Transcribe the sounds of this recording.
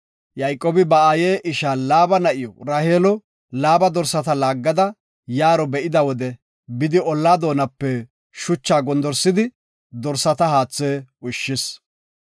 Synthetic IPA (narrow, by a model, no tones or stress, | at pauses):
jɐjkʼːoːbɪbɐaːjeːʔɪʃaːlaːbɐnɐʔɪjɔɾaːheːlɔ | laːbɐd̪ɔɾsɐt̪ɐlaːɡːɐd̪ɐ | jaːɾɔbɛʔɪd̪ɐwɔd̪ɛ | bɪd̪ɪɔlːaːd̪o̞ːnɐpːɛ | ʃʊt͡ʃːaːɡɔnd̪ɔɾsɪd̪ɪ | d̪ɔɾsɐt̪ɐɦaːt͡sːeːʊʃːɪs